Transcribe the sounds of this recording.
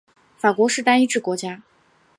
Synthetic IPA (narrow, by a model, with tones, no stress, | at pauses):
fa˨˩kwɔ˧˥ʂɻ̩˥˩t̪a˥ni˥ʈ͡ʂɻ̩˥˩kwɔ˧˥t͡ɕja˥